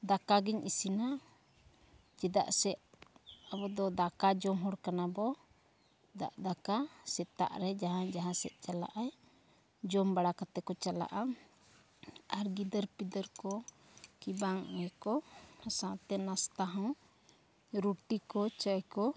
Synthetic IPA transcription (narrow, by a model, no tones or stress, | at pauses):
d̪akaɡiɲʔisina | d͡ʒɛd̪a̰ʔsɛʔ | abɔd̪ɔd̪akad͡ʒɔmɦɔɽkanabɔ | d̪a̰ʔd̪akasɛt̪a̰ʔɾɛd͡ʒaɦãd͡ʒaɦãsɛʔ̪̚ˀt͡ʃala̰ʔaj | d͡ʒɔmbaɽakat̪ɛkɔt͡ʃala̰ʔa | aɾɡid̪əɾpid̪əɾkɔ | kibaŋɛkɔhasãʔt̪ɛnast̪aɦɔw | ɾuʈikɔt͡ʃəjkɔ